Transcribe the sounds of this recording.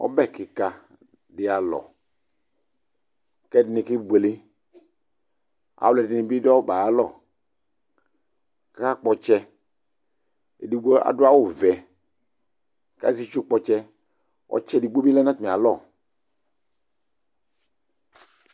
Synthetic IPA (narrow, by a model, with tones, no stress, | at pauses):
ɔ̰˦bɛ˦˨kɪ˨ka˨ | dɪ˨a˨lɔ̰˨ | kɛ˦dɪ˨nɪ̃˨kɪ˦ɡ͡ble˦ | a̰˨wlɛ˨dɪ˨nɪ̃˨bi˦da˦wba˨a˦lɔ̰˦˨ | ka˦ka˦k͡pɔ˨t͡ʃɛ˦ | ḛ˨di˨ɡ͡bo˦a̰˨dʊ˦a˦wo˦˨vɛ˨ | ka̰˦zi˦t͡ʃu˦k͡pɔ˨t͡ʃɛ˦ | ɔ̰˦t͡ʃɛ˦di˨ɡ͡bo˦bi˦lɛ˦nã˦t̪mĩ˨a˨lɔ˦˨